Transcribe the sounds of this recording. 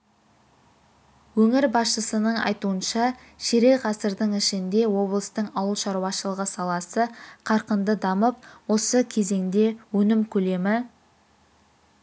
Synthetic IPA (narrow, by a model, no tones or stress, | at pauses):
wɵŋɪɾbɑsʃəsənəɴɑ̰jt̪uənʃɑ | ʃeɾe̞ʁɑsəɾd̪əɴɪʃɪnd̪e̞wo̞blˠəst̪əɴɑwəlˠʃɑɾuwɑʃəlˠəʁəsɑlˠɑsəqʰɑɾqənd̪əd̪ɑməp̚wo̞səkʲʰe̞ze̞ŋd̪e̞wɵnɪmkʲʰɵle̞mɪ